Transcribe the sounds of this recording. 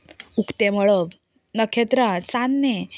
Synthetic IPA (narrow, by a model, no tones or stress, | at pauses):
ukt̪eməɭəʋ | nəkʰet̪ɾat͡sanːe